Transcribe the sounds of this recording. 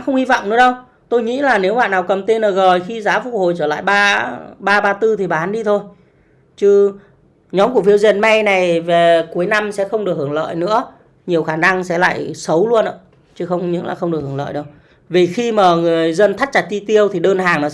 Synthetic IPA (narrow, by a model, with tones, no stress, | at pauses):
xə˧wŋ͡mhi˧vɔ̰˧˨wŋ͡mnɨ̰˧˥əɗə˧w | t̪o˧jŋḭ˧˥laː˨˩ne˨˦wɓa̰ː˧˨naː˨˩wkə˨˩mt̪e˧nʔəː˨˩ɣəː˨˩jxi˧zaː˨˦fṵ˧˩k̚ho̰˧˨jt͡ɕəː˧˩la̰ː˧˨jɓaː˧ɓaː˧ɓaː˧t̪ɨ˧t̪ʰi˨˩ɓaː˨˩ha˨˦nɗi˧t̪ʰo˧j | t͡ɕɨ˧ | ɲɔ˨˦mku˧˩fi˧əwzi˧˨˩ənma˧jna˨˩jve˨˩ku˨˦əjna˧msɛ̰˧˥xə˧wŋ͡mɗək̚hɨ˧˩əŋlə̰ː˧˨jnɨ̰˧˥ə | ɲi˨˩əwxaː˧˩na˧ŋsɛ̰˧˥la̰ː˧˨jsə˨˦wlu˧ənʔə̰ː˧˩ | t͡ɕɨ˨˧˦xə˧wŋ͡mɲɨ̰˧˥ŋla̰ː˨˩xə˧wŋ͡mɗɨ˨˩ək̚ːŋlə̰ː˧˨jɗə˨˧w | vi˨˩xi˧maː˨˩ŋɨ˨˩əjzə˧nt̪ʰa˦˥t̚t͡ɕa˨˩t̚t͡ɕi˧t̪i˧əwt̪ʰi˨˩ɗəː˧nɦaː˨˩ŋnɔ˨˦